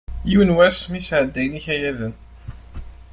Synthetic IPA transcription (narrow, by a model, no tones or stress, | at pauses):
jiwənwæsmisʕəd̪ːæjniçæjæðən